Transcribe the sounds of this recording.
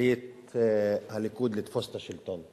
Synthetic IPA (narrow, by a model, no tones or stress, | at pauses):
jɪːt̪ | hɐlːɪkuːd̪lɪt̪fɔst̪ɐʃɪlt̪ɔnt̪